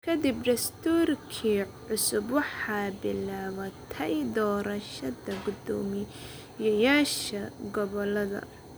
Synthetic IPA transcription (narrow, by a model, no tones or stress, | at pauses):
kʰɐd̪ibɖɐst̪ʰuːrkʰiːʕʊsʊbwɑħɑːbɪlaːβɐt̪ʰɛjd̪ɔːɾɐʃɐd̪ɐɡʊd̪ɔːmɪ | jɐjaːʃɐɡɔβɔlɐðɐ̰